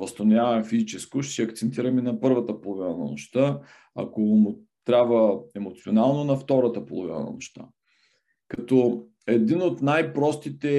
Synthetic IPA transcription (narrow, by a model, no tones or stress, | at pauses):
vɐst̪onʲavəɛmfizit͡ʃɛskʊʃsiɐkt̪sɛnt̪iɾəminɐpɤɾvət̪əpolˠovinənɐ̰no̰ʃt̪a | ɐ̰komu | t̪ɾʲabvəɛmot̪sionalˠnonɐft̪ɔɾət̪əpolˠovinə̰nɐ̰no̰ʃt̪a̰ | kɐt̪ɔ | ɛd̪inot̪najpɾɔst̪it̪ɛ